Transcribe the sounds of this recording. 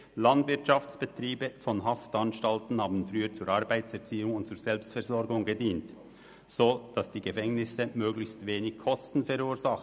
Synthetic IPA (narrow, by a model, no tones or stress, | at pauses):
lɑndvɪɐtʃaftt͡sb̥ətɾiːbəfɔnɦaftɑnʃtaltn̩haːbn̩fʁyːət͡suːɾɑʁbaɪtt͡sɛʁt͡siːʊŋʊnt̚t͡suːɾz̥ɛlpstfɛɾzɔɾɡʊŋɡədiːnt | z̥oːd̥ɑsd̥iːɡəfɛŋnɪsəmøːɡlɪçstveːnɪçkʰɔstn̩fɛɾuːɾzaχ